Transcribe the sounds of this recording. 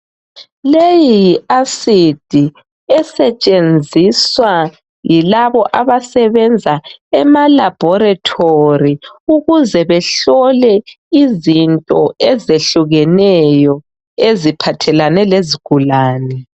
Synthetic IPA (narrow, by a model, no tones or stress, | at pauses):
lejijiasid̥ʱi | ɛsɛt͡ʃʼend͡zʱiswa | jilaβɔʔaβasɛβɛnd͡zʱaɛmalab̥ʱɔɾatʰoriuɣuzɛβɛɬɔlɛ | izintʼɔɛzeɬuɣɛnɛjɔ | ezipʰatʰɛlanɛleziɡ̥ʱulaːnɛ